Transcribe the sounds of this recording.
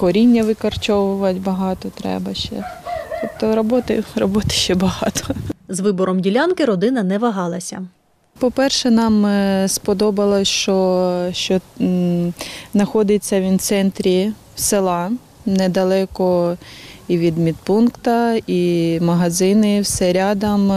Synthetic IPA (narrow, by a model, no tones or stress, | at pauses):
kɔɾʲinʲːɐʋɪkɐrt͡ʃɔʋʊʋɐtʲbɐɦɑt̪ɔt̪ɾɛ̰bɐʃt͡ʃɛ̰t̪ɔpt̪ɔɾɔbɔt̪ɪ̰ɾɔbɔt̪ɪ̥ʃt͡ʃɛbɐɦɑ̰t̪ʰɔ̥zʋɪbɔɾɔmdʲilʲankɪɾɔd̪ɪnɐnɛʋɐɦɑlˠɐsʲɐ̰ | pɔpɛrʃɛnɑmspɔd̪ɔbɐlˠɔʃt͡ʃɔʃt͡ʃɔ | znɐxɔd̪ɪt͡sʲːɐʋʲint̪sɛnt̪ɾʲi | wselˠɑ | nɛd̪ɐlˠɛkɔ | iʋʲid̪mʲid̪̚punkt̪ɐimɐɦɐzɪnɪwsɛɾʲɑd̪ɐm